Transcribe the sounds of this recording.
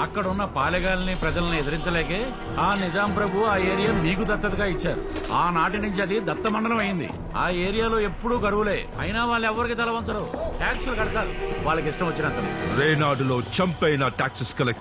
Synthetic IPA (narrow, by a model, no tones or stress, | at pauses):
ɐkːɐɽɐunːɐpaːlɐɡaːlɐnipɾɛd͡ʒɐlɐniɛd̪ɐɾiɲt͡ʃɐlɛːke̞ː | aːnid͡ʒaːmpɾɐbʱuuaːe̞ːɾijaːmiːk̬ud̪ɐt̪ːɐt̪ɐɡaːit͡ʃːaːɾṵaːnaːʈinuɲt͡ʃiɐd̪id̪ɐt̪ːɐmɐɳɖɐlɐmɐjind̪ḭ | aːe̞ːɾijaːlo̞ːe̞pːuɽuːkɐɾuʋule̞ː | ɐ̰jnaːʋaːɭːɛʋːɐɾikiːt̪ɐlɐʋɐnt͡ʃɐɽoʈaːksulukɐɽɐt̪aːɾṵʋaːɭːɐk̬iʂʈɐmʋɐt͡ʃːinɐnt̪ɐnḭɾeːnaːɖulo̞ːt͡ʃɐmpɐjnɐʈaːksiskɐlek